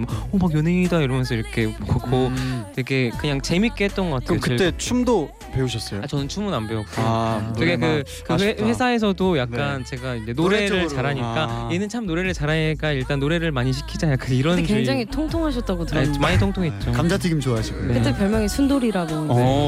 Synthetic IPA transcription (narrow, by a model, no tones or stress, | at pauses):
momakjʌneiidaiɾʌmjʌnsʰʌiɾʌkʰe̞bkʰokʰoteɡe̞kɯɲaŋt͡ɕe̞mik͈eɦet̚t͈ʌnɡʌk͈atʰeokɯt͈et͡ɕʰumdo | pe̞uɕʰʌs͈ʌoat͡ɕʌnɯnt͡ɕʰumunambeok͈t͡ɕeɡekɯ | kɯeɸwe̞sʰae̞s̬ʰʌdojak̚k͈ant͡ɕe̞ɡaind͡ʑe̞noɾe̞ɾɯɭt͡ɕaɾɦaɲik͈ajenɯnt͡ɕʰamnoɾe̞ɾɯɭt͡ɕaɾɦaɲik͈aiɭt͈anːoɾe̞ɾɯɭmaɲiɕ̬ʰi̥kʰid͡ʑanaakɯiɾʌneŋd͡ʑaŋitʰoŋtʰoŋɦaɕ̬ʰʌt̚t͈aɡotɯmaɲitʰoŋtʰoŋɦet̚t͡ɕ͈okamd͡ʑʰat͡ɕʰiɡimt͡ɕoaɦaɕʰiɡuekɯt͈epjʌɭmjʌŋisʰundoɾiɾaɡoe